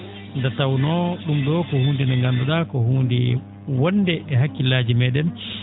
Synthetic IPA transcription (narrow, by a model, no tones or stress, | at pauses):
ndatawnɔɗumɗɔkɔhuːndinɛŋɡanduɗakɔhuːndi | wɔndɛʔɛɦakːilaːd͡ʒimɛːɗɛn